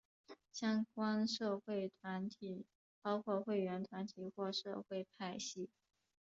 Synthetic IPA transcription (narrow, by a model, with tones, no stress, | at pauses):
ɕjɑ˥ŋkwa˥nʂɤ˥˧xwe˥˩ɪt̪ʰwa˧˥nt̪ʰi˨˩ | pɑ˥ʊkʰwɔ˥˧xwe˥˩ɪɥɛ˧˥nt̪ʰwa˧˥nt̪ʰi˨˩˦xwɔ˥˧ʂɤ˥˧xwe˥˧ɪpʰa˥˧ɪɕi˥˩